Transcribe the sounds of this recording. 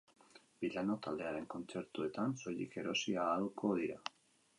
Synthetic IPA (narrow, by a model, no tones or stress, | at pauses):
b̥iʎano̞t̪ald̪e̞aɾe̞ŋko̞nt͡se̞ɾt̪ue̞t̪anso̞ʎike̞ɾo̞siaːlkʰo̞ðiɾa